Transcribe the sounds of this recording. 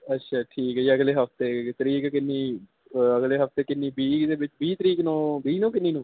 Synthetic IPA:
ətːʃʰaːʈʰiːkɦd͡ʒiəɡleːɦəpʰt̪eːt̪əɾiːkkɪnːĩː | əɡleːɦəpʰt̪eːkɪnːĩːbiːd̪eːbɪt͡ʃbiːt̪əɾiːknõːbiːnõːkɪnːiːnũː

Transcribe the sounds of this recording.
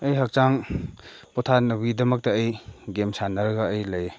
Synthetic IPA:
ɐjɦɐk̚t͡ʃaŋ | pɔtʰanɐbidɐmɐk̚tɐːjɡemsanɐɾɡaːjlɐj

